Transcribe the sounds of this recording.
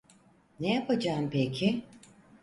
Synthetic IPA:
nejapʰad͡ʒaːmpekʲʰɪ

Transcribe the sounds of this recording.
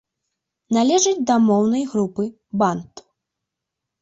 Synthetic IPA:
nalʲɛʐɨd͡zʲd̪ɐmɔwnɐjɣɾupɨ | bant̪

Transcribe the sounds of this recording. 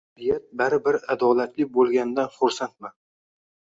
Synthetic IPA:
ɾɪjat̪̚baɾɪbɪɾad̪ɒlat̪lɪk̚ʲbolˠɡʲand̪anχoɾsant̪̚man

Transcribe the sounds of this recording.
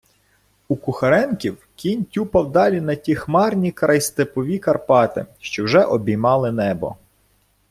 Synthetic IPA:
ukʊxɐɾɛnkʲiw | kʲinʲtʲupɐwd̪ɑlʲinɐtʲixmɑrnʲikɾɐjst̪epɔʋʲikɐrpɑt̪ɪ̰ʃt͡ʃɔwʒɛʔɔbʲijmɑlˠɪnɛbɔ̰

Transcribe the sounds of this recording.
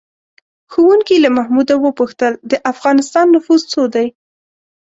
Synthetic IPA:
xuwuŋkilamahmud̪awəpuxt̪əld̪əʔafɣɑnɪst̪ɑnːʊfuzt͡sod̪aj

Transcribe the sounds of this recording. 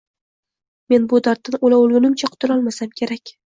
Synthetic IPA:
me̞nbʊd̪aɾt̪ːɪnolaʊlˠɡʲʊnɪmt͡ʃʰaqʰʊ̥t̪ʰɪlɒlˠmasamkʲʰe̞ɾakʲ

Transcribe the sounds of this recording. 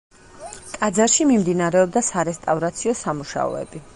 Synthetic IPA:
kʼad̪zaɾʃimimd̪inaɾɛɔbd̪asaɾɛst̪ʼavɾat̪sʰiɔsamuʃa̰ɔ̰ɛ̰bi

